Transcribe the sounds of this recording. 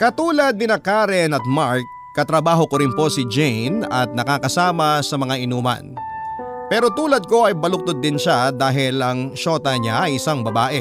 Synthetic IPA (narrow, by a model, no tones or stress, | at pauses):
kɐt̪uːlɐd̪̚nɪnɐkaːɾɛnɐt̪̚maɹk̚ːɐt̪ɾɐbaːɦo̞koɾɪnpo̞sɪd͡ʒejnɐt̪̚nɐkaːkɐsaːmɐsɐmɐŋaʔɪnuːmɐ̰n | pɛːɾo̞t̪uːlɐd̪̚ko̞ʔɐjbɐlʊk̚t̪od̪ːɪnʃad̪aːɦɪlɐŋʃo̞ːt̪ɐɲaʔɐjɪsaŋbɐbaːʔɛ